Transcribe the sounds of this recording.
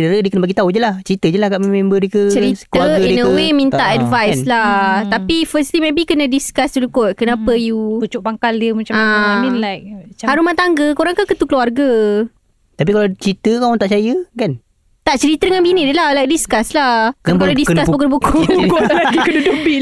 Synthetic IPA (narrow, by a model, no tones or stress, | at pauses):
dəɾədiəkənəbaɡit̪aud͡ʒəlaht͡ʃəɾit̪əd͡ʒəlahkaʔmemembədikət͡ʃəɾitk̪uəaɡinəwemĩnt̪aʔɛdvajslat̪apifəst̪limebikənədiskast̪ulikʊt̪̚kənapəjuput͡ʃʊʔpaŋkaldiəmat͡ʃaãminlajk̚t͡ʃahaɾumat̪aŋɡəkoɾaŋkakət̪ukluarɡa | t̪ap̬ikalat͡ʃɾit̪əkamɔt̪aʔt͡ʃajəkan | t̪aʔt͡ʃəɾit̪ədəŋanbiniʔdəlahlajk̚diskaslakpəɾədisəkaspuk̬ənpukuklakəkənədobi